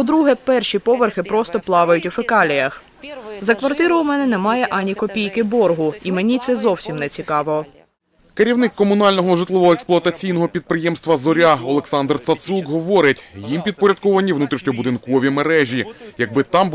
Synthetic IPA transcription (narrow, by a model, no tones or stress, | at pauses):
pɔd̪ɾuɦɛpɛrʃʲipɔʋerxɪpɾɔst̪ɔplˠɑʋɐjʊtʲufɪkɑlʲijɐx | zɐkʋɐrt̪ɪɾɔwmɛnɛnɛmɑjɛʔɑnʲikɔpʲijkɪbɔrɦʊimenʲit̪sɛzɔwsʲimnɛt͡sʲikɑʋɔ | keɾʲiwnɪkːɔmʊnɑlʲnɔɦɔʐɪt̪lˠɪʋɔɔɛksplˠʊɐt̪ɐt͡sʲijnɔɦɔpʲid̪̚pɾɪjɛmst̪ʋɐzɔɾʲaɔlˠeksɑnd̪rt̪sɐt̪sukɦɔʋɔɾɪtʲjimpʲid̪̚pɔɾʲɐd̪̚kɔʋɐnʲiʋnut̪ɾɪʃnʲɔbʊd̪ɪnkɔʋʲimeɾɛʒʲijɐɡ̚bɪt̪ɑm